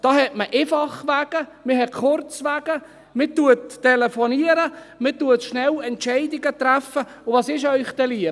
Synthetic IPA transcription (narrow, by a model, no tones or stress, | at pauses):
d̥ɑːhɛtməʔefɑχʋaːɡ̥əmɪɦɛtχʊrt͡svæːɡ̥ə | mɪtuətːɛlefɔniəɾəmɪtuətʃnɛlɛntʃɛɪdɪɡət̪ræfə | ʊʋɑːsɪʃœʏχt̪ɛliə